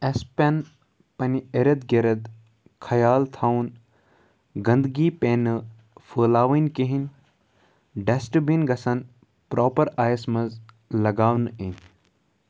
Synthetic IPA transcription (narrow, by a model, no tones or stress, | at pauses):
espʲɐn | pɐnieɾɐd̪ɡeɾɐd̪ | kʰɐjaːlt̪ʰaːwn | ɡɐnd̪ɡiːpeːnɨ | fʰəːlaːʋinʲkeɦinʲ | ɖesʈɨbinɡɐsɐn | pɾoːpɐɾaːjɐsmɐz | lɐɡaːwnɨen